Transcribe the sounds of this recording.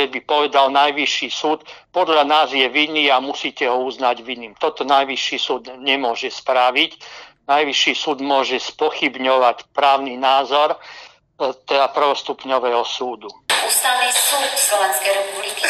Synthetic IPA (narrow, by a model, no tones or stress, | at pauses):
ɛbipɔʋɛd̪alnajʋiʃːiːsuːt̪pɔd̪ʎanaːzjɛʋinːiːamusiːcɛɦɔuznaɟʋiniːmt̪ɔt̪ɔnajʋiʃːiːsuːd̪ɲɛmʊɔʒɛspɾaʋicnajʋiʃiːsuːd̪mʊɔʒɛspɔxibɲɔʋacpɾaːʊninaːzɔɾ | t̪ɛd̪apr̩ʋɔst̪upɲɔʋɛːɦɔsuːd̪uust̪alisuːd̪slɔʋɛnskɛjɾɛpubliki